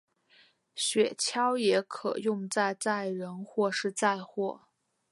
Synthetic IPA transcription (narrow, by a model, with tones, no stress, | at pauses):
ɕɥɛ˨˩t͡ɕʰjɑ˥ʊjɛ˧˥kʰɤ̰˨˩jʊ˥˧ŋt͡sa˥˧ɪt͡sa˥˩ɪɻə˧˥nxwɔ˥˧ʂɻ̩˥˧t͡sa˥˧ɪxwɔ˥˩